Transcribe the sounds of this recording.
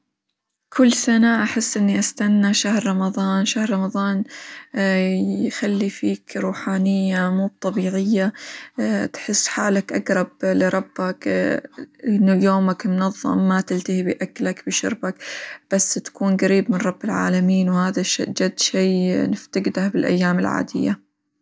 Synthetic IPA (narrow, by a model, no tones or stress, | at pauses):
kʰɪlːsanaʔaħɪsːʔɪnːiʔast̪anːaʃahɾɾˤɑmɑðˤɑːnʃahɾˤɑmɑðˤɑːn | jxalːifiːkɾˤuːħaːnɪjːamuːb̚t̪ˤɑbiːʕɪjːa | t̪ħɪsːħaːlakʔaɡɾˤɑblɪɾˤɑbːak | ʔɪnːjoːmakmʊnɑðˤːɑ̰mːat̪ɪlt̪ahibiʔaklakbɪʃʊ̰ɾbakb̥asːt̪ḁkuːnɡaɾiːbmɪnɾˤɑbːɪlʕa̰ːlamiːnwhaːðaʃd͡ʒad̪ːʃiːnɪft̪aɡd̪ahbɪlʔa̰jːaːmɪlʕa̰ːd̪ɪ̰jːa̰